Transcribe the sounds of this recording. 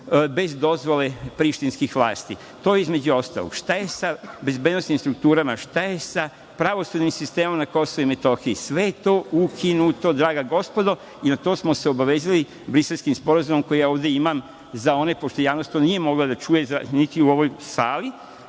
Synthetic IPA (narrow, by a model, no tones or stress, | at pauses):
be̞zd̪o̞zʋo̞le̞pɾiʃt̪inskixʋlˠa̰ːst̪i | t̪o̞eizme̞d͡ʑuo̞st̪a̰lo̰ɡ̥ʃt̪ajesabe̞zbed̪no̞snimst̪ɾuk̚t̪uːɾamaʃt̪aje̞sa | pɾaʋo̞sud̪nimsist̪emamanako̞soʋuime̞t̪o̞xiːsʋe̞jet̪o̞ːukʰinut̪o̞d̪ɾaːɡaɡo̞spo̞d̪o̞ | inat̪o̞ːsmo̞se̞o̞baʋeːzili | bɾiselskimspo̞ɾazumomko̞jijaoːʋd̪jeimam | zao̞ne̞po̞ʃt̪ojaːʋnost̪onije̞mo̞ɡlad̪at͡ʃuːje̞zanit̪iuo̞ʋo̞jsaːli